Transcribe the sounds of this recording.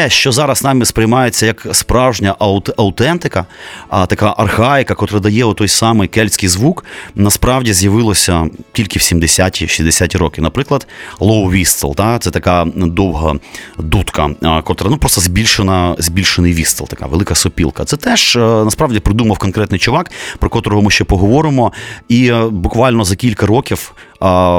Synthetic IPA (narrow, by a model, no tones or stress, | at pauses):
ɛʃt͡ʃɔzɑɾɐsnɑmɪspɾɪjmɑjet͡sʲːɐjɐkspɾɑwʒnʲɐʔɐʊt̪ɐʊt̪ɛnt̪ɪkɐt̪ɐkaʔɐrhɑɪkɐkɔt̪ɾɐd̪ɐjɛɔt̪ːɔjsɑmɪjkɛlʲsʲkɪjzʋuknɐspɾɑwdʲizʲjɐʋɪlˠɔsʲɐtʲilʲkɪwsʲimd̪esʲatʲiʃʲizd̪esʲatʲiɾɔkɪnɐpɾɪklˠɐd̪lˠɔwʋʲist̪ḛlˠt̪at̪sɛt̪ɐkad̪ɔwɦɐd̪ut̪kɐkɔt̪ɾɛnupɾɔst̪ɔzʲbʲilʲʃenɐzʲbʲilʲʃenɪjʋʲist̪elˠt̪ɐka̰ʋelˠɪkɐsɔpʲḭlˠkɐt̪sɛt̪ɛʒnɐspɾɑʋdʲipɾɪd̪umɐwkɔnkɾɛt̪nɪjt͡ʃʊʋɑkpɾɔkɔt̪ɔɾɔɦɔmɪʃt͡ʃɛpɔɦɔʋɔɾɪmɔibʊkʋɑlʲnɔzɐkʲilʲkɐɾɔkʲiw